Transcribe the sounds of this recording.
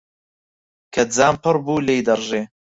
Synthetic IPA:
kʰɐd͡zaːmpɨrbuːlejd̪ɐrʒeː

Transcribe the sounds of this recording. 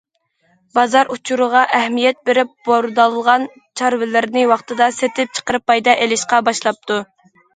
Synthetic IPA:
bɑzɑɾut͡ʃʰuɾəʁɑʔɛhmijɛt̪̚beɾɪp̚b̥oɾd̪ɑlˠɨʁɑn | t͡ʃʰɑɾvɪlɪɾnɪwɑχt̪ɨd̪ɑset̪ʰɪp̚t͡ʃʰə̥qəɾɨpːɑjd̪ɑʔelɪʃqɑbɑʃlˠɑp̚t̪ʰu

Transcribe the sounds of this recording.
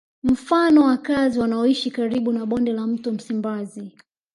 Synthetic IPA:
m̩fanɔwakaziwanaɔiʃikaɾiɓunaɓɔndɛlam̩tum̩simbazi

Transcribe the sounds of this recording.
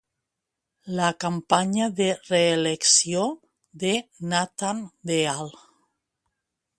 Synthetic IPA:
lakampaɲaðereːleksjo | ðenat̪and̪eal

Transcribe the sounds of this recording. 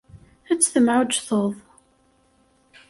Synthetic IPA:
æt͡sːθəmʕʊʒθoðˤ

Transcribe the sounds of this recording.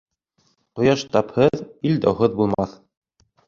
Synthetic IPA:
qŏjɑʃt̪ɑphɤðild̪æ̰wɦɤðbulˠmɑθ

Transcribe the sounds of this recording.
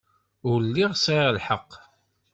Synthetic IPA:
ʊɾlːiʁsaɾalħəqː

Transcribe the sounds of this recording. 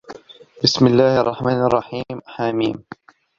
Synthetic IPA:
bɪsmɪlːaːhʔɑrˤːɑħmaːnʔɑrˤːɑħiːmħamiːm

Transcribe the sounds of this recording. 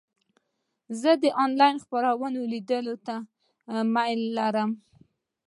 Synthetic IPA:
zəd̪əʔɑnlɑjnxpaɾawənolid̪əlot̪a | majlːaɾəm

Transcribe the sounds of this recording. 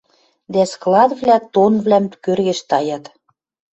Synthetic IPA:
d̪æsklɑd̪vlʲæt̪onvlæmt̪kørɣɘ̆ʃt̪ɑjɑt̪

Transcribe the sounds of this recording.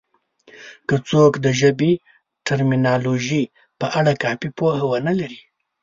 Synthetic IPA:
kət͡sokd̪əʒəbi | ʈaɾminɑloʒi | pəʔaɽakɑfipohawənalaɾi

